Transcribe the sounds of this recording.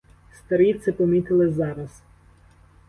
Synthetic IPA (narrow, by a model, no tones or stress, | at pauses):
st̪ɐɾʲit̪sɪpɔmʲit̪ɪlˠɪzɑɾɐs